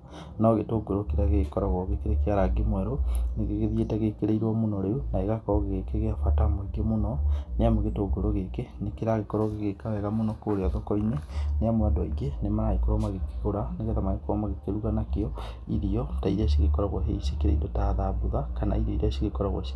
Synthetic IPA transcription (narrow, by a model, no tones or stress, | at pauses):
nɔɣetoɡoɾokeɾaɣeɣkɔɾaɣɔɣekeɾekeaɾaɡemwɛɾoneɣeɣeðietɛɣekeɾeiɾwɔmonɔɾeunaeɣakɔɾɔɣɣekeɣeafatamoiɡemonɔneamoɣetoɡoɾoɣekenekeɾaɣekɔɾɔɣeɣekawɛɣamonɔkoɾeaðɔkɔineneamwadɔiɡenemaɾaikoɾɔmaɣeke̥ɣoɾaneɣeðamaekoɾɔmaɣekeɾuɣanakeɔ | iɾiɔtaiɾaʃeɣekɔɾaɣoɦeisekeɾḛḭdotaðaboðakana̰iɾɔiɾaʃeɣekɔɾaɣwɔ̰